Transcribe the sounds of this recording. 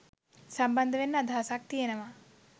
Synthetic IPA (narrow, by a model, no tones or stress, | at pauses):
sambɐnd̪əʋenːəad̪ʱaɦasak̚t̪ijenəʋa